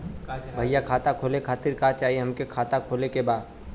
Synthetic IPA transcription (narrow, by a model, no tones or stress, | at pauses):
bʱɐjakʰaːt̪akʰoːlekʰaːt̪ɪɾkaːt͡ʃaːɦieɦɐmkekʰaːt̪akʰoːlekebaːd̪